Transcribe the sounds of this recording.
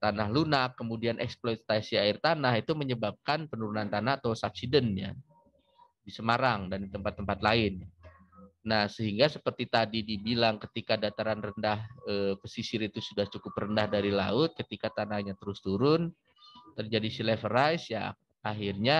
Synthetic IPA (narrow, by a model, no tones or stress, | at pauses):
t̪anaɦlunakːəmudianʔɛksplojt̪asiaɪrt̪anaɦit̪uməɲəbap̚kanpənuɾunant̪anaat̪asap̚sidənɲa̰ | disəmaɾaŋdandit̪əmpat̪ːəmpat̪laɪnː | ahsəɦiŋɡasəpərt̪it̪adidibilaŋkət̪ikadat̪aɾanrəndahəpəsisɪɾit̪usudaht͡ʃukʊprəndahdaɾilaʊt̪̚kət̪ikat̪anahɲat̪əɾʊst̪uɾʊn | t̪ərd͡ʒadisilɛfəɾajsja̰ | ʔaɦirɲa